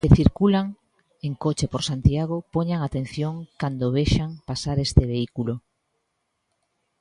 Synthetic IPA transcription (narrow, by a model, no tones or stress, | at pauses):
keθiɾkulaŋ | eŋkot͡ʃepoɾsant̪jaɣ̞opoɲaŋat̪ẽn̟θjoŋkand̪oβ̞eʃaŋpasaɾest̪eβeikulo